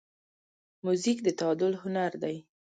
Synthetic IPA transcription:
muzikd̪ət̪awɑd̪ʊlhʊnaɾd̪aj

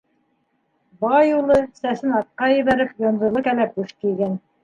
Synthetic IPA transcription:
bɑjulˠɤsæsɘnɑt̪̚qɑjɘ̆βæɾɘpjŏnd̪ɤ̆lˠɤkælæp̚uʃk̪ijɡæn

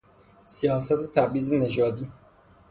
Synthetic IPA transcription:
sijɒːsæt̪ʰet̪ʰæbiːzened͡ʒɒːd̪iː

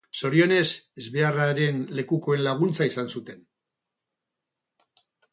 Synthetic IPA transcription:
so̞ɾio̞ne̞sezβe̞araɾe̞nle̞kuko̞e̞nlaɣ̞unt͡saisansut̪e̞n

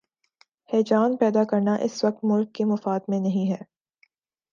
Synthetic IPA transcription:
hɛːd͡ʒaːnpɛːd̪akɐɾnaʔɪ̰sʋɐk̚t̪mʊlkːemɐfaːd̪mẽnɐɦĩɦɛː

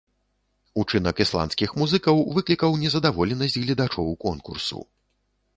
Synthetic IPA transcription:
ut͡ʂɨnɐkislˠa̰ntskʲixmuzɨkɐwvɨklʲikɐwnʲɛzɐd̪avɔlʲɛnɐsʲd͡zʲɣlʲɛd̪at͡ʂɔwkɔnkṵrsṵ

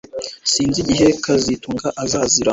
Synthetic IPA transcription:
siːnziɟiɦe̞kʰazituŋɡaʔazaːziɾa

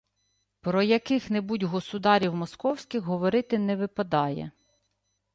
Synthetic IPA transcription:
pɾɔjɐkɪxnɛbudʲɦɔsʊd̪ɑɾʲiwmɔskɔwsʲkʲɪxɦɔʋɔɾɪt̪ɪnɛʋɪpɐd̪ɑjɛ̰

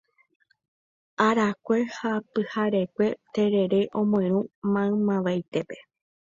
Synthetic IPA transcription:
aɾakʷe̞hapɨhaɾe̞kʷe̞t̪e̞ɾe̞ɾe̞ʔõ̞mõẽɾũmãɨ̃mãʋajt̪e̞pe̞̥

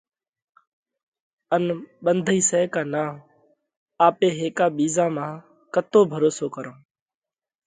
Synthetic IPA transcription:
ənɓənd̪ʱiːsɛːkaːnaː | aːpeːɦeːkaːɓiːzãːmãː | kət̪oːbʱəɾoːsoːkəɾõː

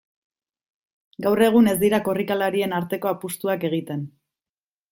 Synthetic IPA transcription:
ɡawre̞ɣ̞une̞zd̪iɾako̞rikalaɾie̞naɾt̪e̞ko̞apust̪uake̞ɣ̞it̪e̞n

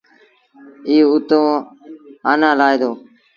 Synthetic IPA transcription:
iːʊt̪õː | aːnãːlaːed̪oː

